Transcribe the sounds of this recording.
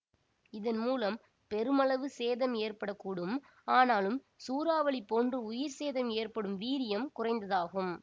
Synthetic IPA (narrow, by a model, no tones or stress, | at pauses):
ɪðɐnmuːlɐm | pɛɾɯmɐlɐʋɯseːðɐmeːrpɐɽɐkːuːɽɯm | aːnaːlɯm | suːɾaːʋɐɭɪpːoːndrɯʊjɪɾseːðɐmeːrpɐɽɯmʋiːɾɪjɐmkʊrɐɪnd̪ɐðaːɣɯm